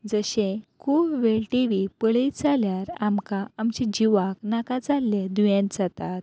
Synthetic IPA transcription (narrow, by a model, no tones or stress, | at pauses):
d͡zəɕẽkʰuːpʋeɭʈiʋipəɭijt͡saljaɾamkaamt͡ɕid͡ʑiʋaknakad͡zalːjed̪ujẽnt̪d͡zat̪at̪̚